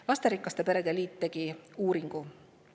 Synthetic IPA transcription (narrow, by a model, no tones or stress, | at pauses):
lɑst̪eɾiklɑst̪e̞pe̞ɾe̞d̪̥eliːt̪ːe̞ɡ̥iuːɾiŋɡ̥u